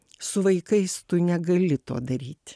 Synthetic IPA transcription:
sʊʋɐɪkɐɪst̪ʊnʲɛɡɐlʲɪt̪o̰ːd̪ɐɾʲiːt̪ʲ

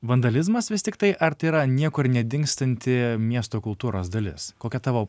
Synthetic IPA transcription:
ʋɐnd̪ɐlʲɪzmɐsʋʲɪsʲt̪ʲɪkt̪ɐɪʔɐɾt̪ɐɪiɾɐnʲiɛkʊɾnʲɛd̪ʲɪŋkst̪ɐnʲt̪ʲɪmʲiɛst̪oːkʊlˠt̪uːɾoːsd̪ɐlʲɪ̰skoːkʲɛt̪ɑːʋoː

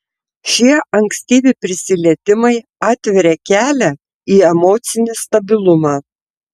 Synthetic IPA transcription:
ʃʲiɛʔɐŋksʲt̪ʲiːʋʲɪpʲɾʲɪsʲɪlʲiɛt̪ʲɪmɐɪɑːt̪ʲʋʲɛɾʲeːkʲæːlʲæ | iːɛmoːt̪sʲɪnʲɪst̪ɐbʲɪlˠʊmɑː

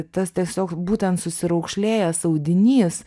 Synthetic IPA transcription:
t̪ɐst̪ʲiɛsʲoːkbuːt̪ʲɛnt̪sʊsʲɪɾɐʊkʃʲlʲeːjɛsɐʊd̪ʲɪnʲiːs

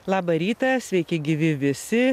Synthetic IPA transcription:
lˠɑːbɐɾʲiːt̪ɐsʲʋʲɛɪkʲɪɡʲɪʋʲɪʋʲɪsʲɪ

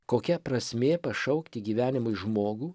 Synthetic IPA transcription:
koːkʲɛpɾɐsʲmʲeːpɐʃɐʊkt̪ʲɪɡʲiːʋʲæːnʲɪmʊɪʒmoːɡuː

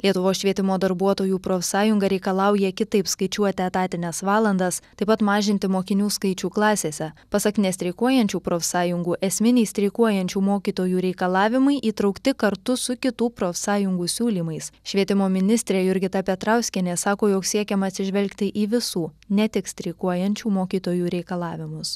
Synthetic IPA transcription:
lʲiɛt̪ʊʋoːsʃʲʋʲiɛt̪ʲɪmoːd̪ɐɾbuɔt̪oːjuːpɾoːfʲsɑːjʊŋɡɐɾʲɛɪkɐlˠɑʊjɛkʲɪt̪ɐɪpskɐɪt͡ʃʲuɔt̪ʲɪɐt̪ɑːt̪ʲɪnʲɛsʋɑːlˠɐnd̪ɐst̪ɐɪpɐt̪mɑːʒʲɪnʲt̪ʲɪmoːkʲɪnʲuːskɐɪt͡ʃʲuːklˠɑːsʲeːsʲɛpɐsɐktnʲɛst̪ʲɾʲɛɪkuɔjɛnʲt͡ʃʲuːpɾoːfʲsɑːjʊŋɡuːʔɛsʲmʲɪnʲɛɪsʲt̪ʲɾʲɛɪkuɔjɛnʲt͡ʃʲuːmoːkʲiːt̪oːjuːɾʲɛɪkɐlˠɑːʋʲɪmɐɪʔiːt̪ɾɒʊkt̪ʲɪkɐɾt̪ʊsʊkʲɪt̪uːpɾoːfʲsɑːjʊŋɡuːsʲuːlʲiːmɐɪsʃʲʋʲiɛt̪ʲɪmoːmʲɪnʲɪsʲt̪ʲɾʲeːjʊɾʲɡʲɪt̪ɐpʲɛt̪ɾɑʊsʲkʲɛnʲeːsɑːkoːjoːksʲiɛkʲɛmɐɐt̪ʲsʲɪʒʲʋʲɛlʲkt̪ʲɪʔiːʋʲɪsuːnʲɛt̪ʲɪksʲt̪ʲɾʲɛɪkuɔjɛnʲt͡ʃʲuːmoːkʲiːt̪oːjuːɾʲɛɪkɐlˠɑːʋʲɪmʊs

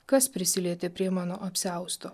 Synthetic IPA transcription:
kɐspʲɾʲɪsʲɪlʲiɛt̪ʲepʲɾʲiɛmɑːnoːʔɐpʲsʲæˑʊst̪o

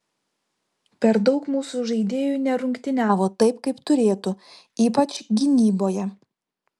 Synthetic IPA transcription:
pʲɛɾd̪ɒʊkmuːsuʒɐɪd̪ʲeːjuːnʲɛɾʊŋʲkt̪ʲɪnʲæːʋoːt̪ɐɪpkɐɪpt̪ʊɾʲeːt̪ʊ | iːpɐt͡ʃʲɡʲɪnʲiːboːjɛ

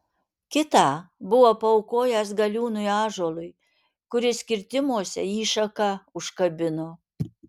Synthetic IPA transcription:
kʲɪt̪ɑːbʊʋoːpɐɔʊkoːjæsɡɐlʲuːnʊjɑːʒoːlˠʊɪ | kʊɾʲɪsʲkʲɪɾʲt̪ʲɪmuɔsʲɛ̰iːʃɐkɑʊʃkɐbʲɪnoː

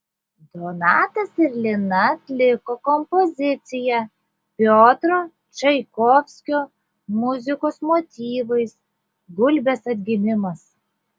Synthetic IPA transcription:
d̪oːnɑːt̪ɐsɪɾʲlʲɪnɐɐt̪ʲlʲɪkokɔmpɔzʲɪt̪sʲɪjɛ | pʲoːt̪ɾo | t͡ʃɐɪkoːfʲsʲkʲoː | mʊzʲɪkoːsmot̪ʲiːʋɐɪs | ɡʊlʲbʲesɐt̪ʲɡʲɪmʲɪmɐs

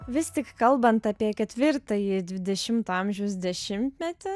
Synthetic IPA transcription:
ʋʲɪst̪ʲɪkkɐlˠbɐnt̪ɑpʲiɛkʲɛt̪ʲʋʲɪɾt̪ɐjɪd̪ʲʋʲɪd̪ʲɛʃʲɪmt̪uɐmʲʒʲɛʊs̬d̪ʲɛʃʲɪmʲt̪ʲmʲɛt̪ʲɪ

